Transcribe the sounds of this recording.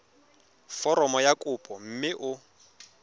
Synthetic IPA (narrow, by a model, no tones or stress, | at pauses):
fɔɾɔmɔjakʼʊpʼɔm̩mɪʔʊ